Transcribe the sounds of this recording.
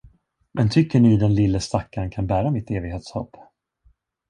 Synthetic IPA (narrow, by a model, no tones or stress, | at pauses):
mɛnt̪ʰʏkːəɳɪd̪ɛnlɪlːəst̪akːankʰanbæːɾamɪt̪ːeːvɪɡheːt̪shɔ̰pː